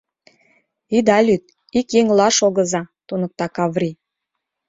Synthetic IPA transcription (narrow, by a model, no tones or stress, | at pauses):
id̪ɑlʲyt̪̚ | ikjeŋlɑʃoɣɤ̆zɑt̪unə̆k̚t̪ɑkɑβrʲi